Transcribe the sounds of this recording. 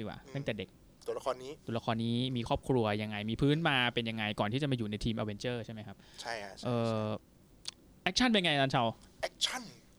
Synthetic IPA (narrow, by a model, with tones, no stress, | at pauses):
i˧˩wa̰ː˨˩t̪a˥˩ŋt̪ɛː˨˩de˨˩k̚ | t̪u˨˩˦la˦˧kʰɔː˧nːiː˦˥u˨˩˦la˧˥kʰɔː˧nːiː˦˥miː˧kʰɔː˥˩p̚kʰɾu˧ɐja˧ŋːa˧jmiː˧pʰɯː˦˥nmaː˧pe˧nja˧ŋːa˧jkɔː˨˩nt̪ʰiː˥˩t͡ɕa˨˩maː˧juː˨˩na˧jt̪ʰiː˧mʔa˧we˧nt͡ɕɤː˥˩t͡ɕʰa˥˩jma˦˥kʰa˦˥p̚t͡ɕʰa˥˩jʔɤː˧ | ʔɛ˦˥k̚t͡ɕʰa˥npe˧ja˧ŋa˧jʔaː˧˥nt͡ɕʰa˧˩wʔɛ˦˥k̚t͡ɕʰa˥˩n